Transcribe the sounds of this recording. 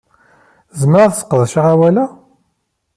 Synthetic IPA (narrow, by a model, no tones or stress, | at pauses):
zəmɾˤaθsə̥qːəðˤʃaʁæwælæ